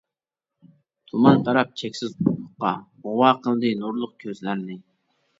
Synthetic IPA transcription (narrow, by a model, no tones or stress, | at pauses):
t̪ʰumɑnt̪ʰɑɾɑp̚t͡ʃʰɛkʲsɪzbʊtʊχqɑ̰ʁʊwɑqʰəlˠɨd̪ɨnuɾlˠʊq̚kʲʰøzlæɾnɪ